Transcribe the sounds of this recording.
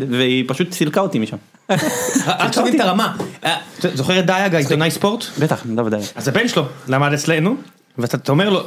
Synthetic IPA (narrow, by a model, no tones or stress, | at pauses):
veipaʃut̪silkaot̪imiʃam | akavit̪aʁamaat̪zo̞χeʁet̚d̪ajaɡait̪onajspo̞ʁt̪bet̪aχdavd̪ajaazabe̞nʃelolamad̪et͡sle̞nu | veat̪at̪omeʁlo